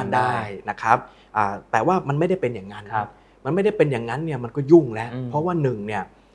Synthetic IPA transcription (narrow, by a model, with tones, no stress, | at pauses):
ndaː˥˩jna˦˥kʰa˦˥p̚ | ʔaː˨˩t̪ɛː˨˩waː˥˩ma˧nma˥˩jda˥˩jpe˧njaː˨˩ŋːa˦˥nʰa˦p̚ | ma˧nma˥˩jda˥˩jpe˧njaː˨˩ŋːa˦˥nːi˥˩ma˧nkɔː˥˩ju˥˩ŋlɛ˦˥ʔpʰɔ˦˥waː˥˩nɯ˨˩ŋni˥˩ɐ